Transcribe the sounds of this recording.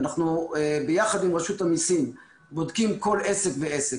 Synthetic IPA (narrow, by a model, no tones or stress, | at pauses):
naχnubejaχad̪imʁeʃut̪amisim | bo̞d̪kimko̞lese̞kveese